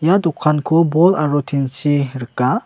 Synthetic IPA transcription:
jadukʰːankʰubɔlaɾutʰinsiɾəka

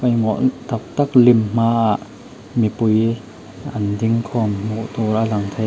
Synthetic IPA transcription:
kɐjŋɔʔt̪ɐp̚t̪ak̚limm̥aːʔaʔ | mipuj | ʔɐnd̪iŋkʰɔmŋuʔt̪ɔːɾʔalɐŋt̪ʰe

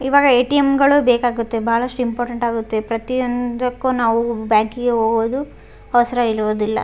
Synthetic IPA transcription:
iʋaːɡɐeːʈijemɡɐɭubeːkaːɡut̪ːebaːɐɭɐsʈuimpoːɾʈeɳʈaːɡut̪ːepɾɐt̪ijond̪ɐkːoːnaːʋubjaːŋkiɡeɦoːɡod̪u | ɐʋɐsɐɾɐiɾuʋod̪ilːɐ̰

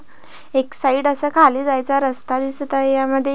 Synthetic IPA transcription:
eksaiɽəsəkʰaliːd͡zajt͡saɾəst̪ad̪ist̪aɦjaməd̪ʱːj

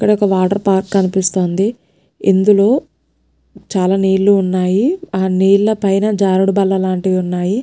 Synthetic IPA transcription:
kːɐɽɐɔkɐʋaːʈɐɾpaːɾkːɐnipist̪o̞ːnd̪i | ind̪ulo̞ː | t͡ʃaːlaːniːɾluːnːaːjiaːniːɭlɐpɐjnɐd͡ʒaːɾuɽubɐlːɐlaːɳʈid̪iunːaːji

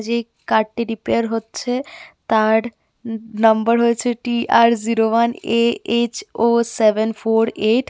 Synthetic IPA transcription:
d͡ʑe | kaʈʈiɾipeaɾɦotːɕʰet̪aɖ | nəmbəɾɦoet͡ɕʰeʈiaɾziɾowaneet͡ɕosebenfʰoɾeʈ

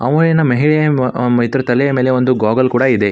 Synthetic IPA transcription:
ɐ̰ʋɐjɐnɐmɐɦiɭejɐit̪ɾɐt̪ɐlejɐmeːle̞o̞nd̪uɡoːɡɐlkuːɽɐid̪e̞

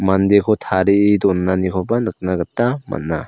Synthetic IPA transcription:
mand̪ekʰɔtʰaɾiːdɔnːanikʰɔbanɯk̚naɡɐtːama̰nːa

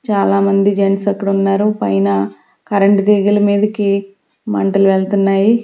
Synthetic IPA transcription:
t͡ʃaːlaːmɐnd̪id͡ʒensɐkːuɽɐunːaːɾupɐjnɐ | kɐɾɐɳʈd̪eːɡilɐmiːd̪ɐki | mɐ̰ɳʈɐluʋeɭt̪unːaːji

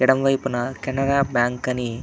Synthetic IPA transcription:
iɽɐmʋɐjpunɐkɛnɐɽaːbjaːŋkɐni

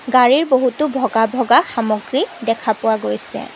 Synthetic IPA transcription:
ɡaɹiɹboɦutʊbʱɔɡabʱɔɡaxamɔɡɹidɛkʰapʊwaɡojsɛ̰

